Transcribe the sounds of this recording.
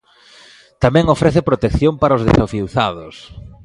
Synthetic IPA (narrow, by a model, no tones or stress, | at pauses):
t̪amɛ̃ŋofɾeθɪpɾot̪ekθjompaɾaoʊzðḛsafiwθaðʊs